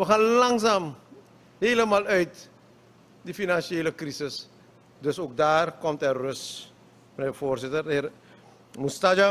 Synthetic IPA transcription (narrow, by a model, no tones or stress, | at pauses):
ʋəxaːnlɑŋsaːm | heːləmaːlœɥt | difinanʃeːləkrisɪs | døsoːk̚daːrkɔmtɛrrøs | ənefoːrsɪtərɪ | mustad͡ʒa